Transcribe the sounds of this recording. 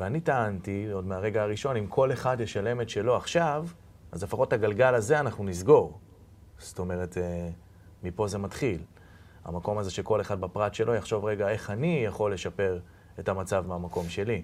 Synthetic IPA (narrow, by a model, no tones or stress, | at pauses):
veanitaantio̞dmeaʁe̞ɡaaʁiʃo̞nimkʰo̞le̞χadjeʃale̞me̞tʃe̞lo̞aχʃav | ʔazlefaχo̞taɡalɡalazeanaχnunizɡo̞ʁ | sto̞me̞ʁete | mipo̞ze̞matχil | a̰mako̞maze̞ʃeko̞le̞χadbapʁatʃe̞lʔo̞jaχʃo̞vʁe̞ɡae̞χanijaχo̞lːe̞ʃape̞ʁ | etamat͡savmeamako̞mʃe̞li